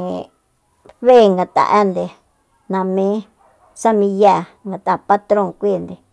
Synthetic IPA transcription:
βe˦˨ŋɡa˨t̪a̰˧ʔa˦nd̪e˧ | nã˧mĩ˦ | sa˦mĩ˧ja˦˨ | ŋɡa˨t̪a˨pa˦t̪ɾõ˦˨ŋkʷi˦˨nd̪e˨

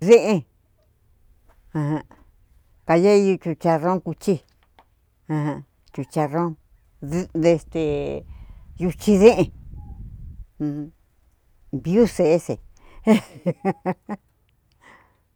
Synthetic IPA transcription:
ðe˦ʔẽ˧ | ã˧hã˧ | ka˧ja˦i˧ju˧t͡ʃu˧t͡ʃa˧rõ˦ŋku˧t͡ʃi˦ | ã˧hã˧ | t͡ʃu˧t͡ʃa˧rõ˦˧ | ðe˧st̪e˨ | ju˧t͡ʃi˧ðẽ˦ʔẽ˧ | βju˦se˧ʔsḛ˨

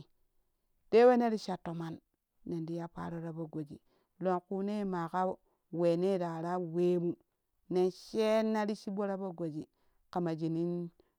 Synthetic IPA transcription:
d̥e˦we˦ne˦ɾi˦ʃa˨tːo˨ma˦nː | e˨ndi˦ja˦pa̰˦ɾo˦ɾa˦bo˦ɡo˨d͡ʒḭ˨ | lo˨ŋku˦ne˦ma˨ka˦o˦ | we˨ne˦˨da˨ɾa˦we˦mu˦ | ne˨nʃe˦nːa˦ɾi˦ʃi˦bo˦ɾa˦bo˦ɡo˨d͡ʒi˨ | ka˨ma˨d͡ʒi˨ni˦n

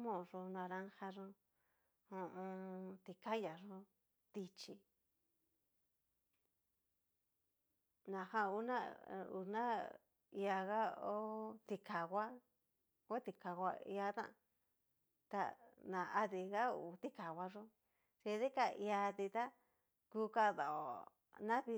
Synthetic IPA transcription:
mõ˧ʐu˧nã˧ɾã˦ŋha˧ʐũ˧ | õ˧õ˧t̪i˧ka˦ja˨ʐũ˧˦ | t̪i˧t͡ʃi˧ | nã˨hã˧u˧˦nã˦ṵ˧nã˦ | i˧a˧ɣa˦o˦t̪i˧kʰa˨ɣa˦ | a˦t̪i˧ka˨ɡʷa˧ḭ˧a˧t̪ã̰˦˨ | t̪a̰˧nã˨a˧ði˧ɣa˦u˨˧t̪i˦ka˨wa˧ʐõ˦ | t͡ʃi˧ði˦ka˧i˧a˧t̪i˧t̪a˦ | ku˧ka˦˧ða˨o˨ | nã˦βi˧

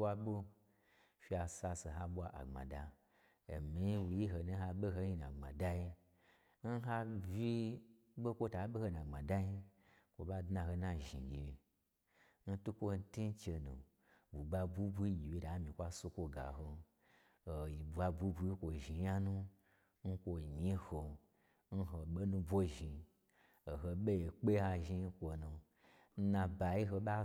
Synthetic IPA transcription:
wa˧ɓo˦ | fi˦a˧sa˧se˨ɦa˧ɓʷa˧ʔa̰˨ŋ͡ma̰˨da˧ | ḛ˨mi˨˦wu˨ji˦ɦo˧nu˧˦ha˧ɓe˦ɦo˧˦ji˧nã̰˨ŋ͡ma̰˨da˦ji˧ | n̩˦ɦa˧vi˦ | ɓo˦kʷo˧ta˨˦ɓe˦ho˧nã˨ŋ͡ma˨da˦ji˦ | kʷo̰˨ba˧dna˧ho˧nã˧ʒḭ˨ɡʲi˨je˧ | n̩˦tu˦kʷo˧n̩˦ti˦n˦t͡ʃe˧nṵ˨ | bu˨ɡ͡ba˧bu˦bʷu˦i˦ɡʲi˨wi˧˦da˨˦mĩ˨kʷa˦su˧kʷo˧ɡa̰˨ɦo˧ | o˨i˨bu˨a˧bʷu˦bu˧i˦kʷo˨ʒi˨ja˦nũ˦ | n̩˦kʷo˧˨ɲi˦ho˨ | n̩˦ɦo˨ɓe˦nũ˧bʷo˦ʒi˨ | o˨ɦo˧ɓe˦je˨k͡pe˦ha˧ʒi˧˦kʷo˧nu˨ | n̩˦nã˧ba˨ji˦ɦo˧ɓa˦

